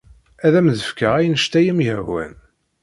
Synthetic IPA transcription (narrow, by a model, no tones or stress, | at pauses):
æðæmðəfkəʁæjnəʃt̪æjəmjəwæ̰n